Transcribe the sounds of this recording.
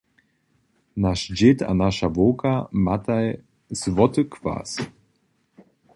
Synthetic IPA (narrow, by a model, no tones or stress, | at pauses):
naʃd͡ʑɪt̪a̰naʃavoːkʰamat̪aj | zvɔt̪əkʰv̥a̰ːs